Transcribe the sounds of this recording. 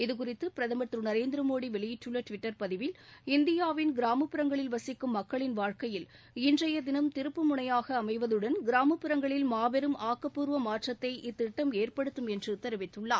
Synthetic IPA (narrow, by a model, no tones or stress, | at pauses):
ɪðɯkʊrɪt̪ːɯpɪɾɐðɐmɐʈ̪rɯnɐɾeːnd̪ɪɾɐmoːɽiʋɛɭɪjɪʈːɯɭːɐʈʋɪʈːɐɾpɐðɪʋɪlɪnd̪ɪjaːʋɪnɡɪɾaːmɐpːɯɾɐŋɡɐɭɪlʋɐsɪkːɯmːɐkːɐɭɪnʋaːɻkɐjɪl | ɪndrɐjɐd̪ɪnɐmt̪ɪɾɯpːɯmʊɳɐjaːɣɐːmɐɪʋɐðɯɽɐnɡɪɾaːmɐpːɪɾɐŋɡɐɭɪlmaːbɛɾɯmaːkːɐpːuːɾʋɐmaːʈrɐt̪ːɐɪʔɪt̪ːɪʈːɐmeːrpɐɽɯt̪ːɯmɛndrɯt̪ːɐɾɐʋɪt̪ːɯɭːaː